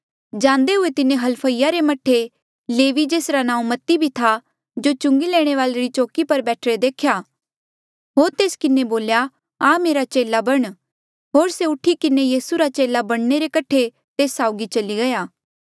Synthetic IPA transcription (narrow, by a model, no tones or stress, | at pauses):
d͡ʒãːnd̪eɦʊet̪ɪnẽɦɐlpʰəijaɾemɐʈʰːe | leːʋid͡ʒeːsɾanãːũmɐt̪ibʱit̪ʰa | d͡ʒot͡ʃʊ̃ŋɡilɛːɽ̃eʋaːleɾit͡ʃoːkipɐɾbɛːʈʰɾed̪eːkʰjaː | ɦoːɾt̪eːskɪneboːlja | ameːɾat͡ʃeːlabɐɽ̃ | ɦoːɾseʊʈʰikɪnejiːsuɾat͡ʃeːlabɐɽ̃neɾekɐʈʰe | t̪eːsːaːʊɡit͡ʃɐliɡɐjaː